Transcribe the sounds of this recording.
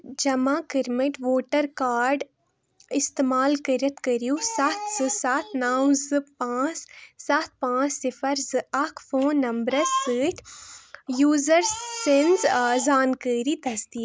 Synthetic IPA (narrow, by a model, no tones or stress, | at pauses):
d͡ʒɐmãːkɪɾmɪʈʋoːʈəɾkaːɾɖ | ɪst̪eːmaːlkəɾɐt̪kɐɾijusat̪ʰzɨsaːt̪ʰnaːwzɨpãːt͡ʃsat̪̚ʰpãːt͡ʃsɪfɐɾzɨɐkʰfoːnːɐmbɾɐzsəːʈʰ | juːzəɾːenzzaːnkəːɾit̪ɐsd̪iː